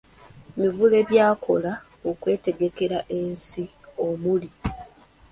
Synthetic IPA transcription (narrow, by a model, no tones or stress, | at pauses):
mivule̞βjaːkʰo̞̰la | okwe̞ːte̞ɡe̞ke̞ɾaʔe̞ːnsio̞muli